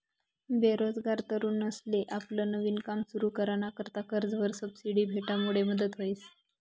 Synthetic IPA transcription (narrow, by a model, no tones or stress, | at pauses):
beɾod͡zɡaɾt̪əɾuːnəsleʔaplənəʋiːnkamsuɾuːkəɾañakəɾt̪akəɾd͡zʋəɾsəbsiɽiːbʱeʈamuɭ̤eməd̪ʱət̪ɦois